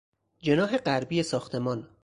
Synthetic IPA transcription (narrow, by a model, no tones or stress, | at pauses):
d͡ʒe̞nɒːɦe̞ɢæɾbiːesɒːxt̪ʰe̞mɒːn